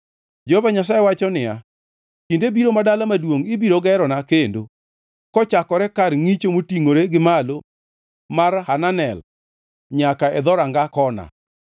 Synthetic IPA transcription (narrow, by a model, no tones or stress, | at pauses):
d͡ʒɛhovaɲas̬ajewat͡ʃɔnɪja | kindebiɾomadalamadwoŋɪbiɾoɡɛɾɔnakendo | kɔt͡ʃakɔɾɛkarŋit͡ʃomotiŋoɾeɡɪmalo | marhananɛl | ɲakaɛd̪ɔɾaŋɡakɔna̰